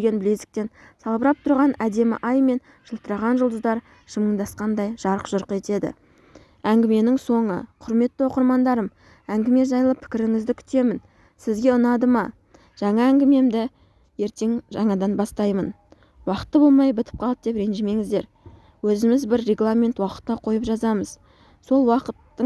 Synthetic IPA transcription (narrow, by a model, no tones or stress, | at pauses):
ɡʲe̞nbɪlezɪ̥k̚t̪e̞nsɑlˠbəɾɑp̚t̪ʰʊɾʁɑnæd̪e̞mɪ̰ʔɑjme̞n | ʒ̥əlˠt̪əɾɑʁɑnʒʊlˠd̪əzd̪ɑɾ | ʒ̥əməɴd̪ɑsqɑnd̪ɑjʒ̥ɑɾəqʒ̥ʊɾqe̞t̪e̞d̪ɪ̰ | æŋɡʲɪme̞nɪŋso̞ɴə̰qʰʊɾme̞t̪ːɪwo̞qəɾmɑnd̪ɑɾəm | æŋɡʲɪme̞ʒɑjəlˠəpʰɪ̥kʲɪɾɪŋɪzd̪ɪkʲʰʏ̥t̪e̞mɪn | sɪzɡʲe̞ʊnɑd̪əmɑ | ʒ̥ɑɴɑæŋɡʲɪme̞md̪ɪ | je̞ɾt̪e̞ŋʒɑɴɑd̪ɑnbɑst̪ɑjmən | wɑqə̥t̪ːəbo̞lˠmɑjbɪt̪ɪ̥p̚qʰɑlˠəp̚d̪e̞pɾe̞nʒime̞ŋɪzd̪e̞ɾ | wɵzɪmɪzbɪɾːe̞ɡlˠamʲe̞nt̪wɑqə̥t̪ːɑqʰo̞jəpʒɑzɑməz | so̞lˠwɑqət̪ːə